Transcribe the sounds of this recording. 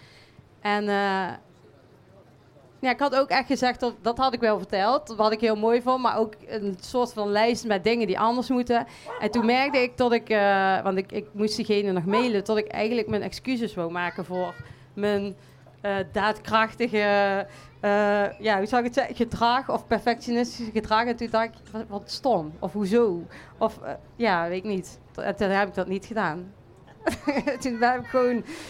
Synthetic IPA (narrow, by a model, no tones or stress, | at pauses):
ʔɛnə | njaːɪkɦɑtowkɛxtxəzɛtɔtdɑtɦɑtɪkʋɛlˠvəɹtɛlˠtʋɑtɪkɦɪːlˠmoːjvɑnma̰ːɹowkənsʊːɹtfɑnlɛjstmɛt̚dɪŋəndḭʔɑndəɹsmutə | ʔɛntunmɛɹk̚dəɪk̚tɔtɪkəʋɑntɪkɪk̚mustdiɣejnənɔxmejlətɔtɪkɛ̰jɣəntləkmənʔɛkskyzəsʋowmaːkəvʊːr | mən | ədaːtkrɑxtəɣəː | jaːɦuzɑwɪkətsɛəɣədrɑxɔfpɛɹfɛkʃonɪstisəɣədrɑːxɛntundɑxɪk | ʋɑtstɔmɔfɦuzowʔɔf | jaːʋetɪknit | ɛ̰tnɦɛbɪɡ̚dɑtnitxədaːn | tunbɛbɪkxʋon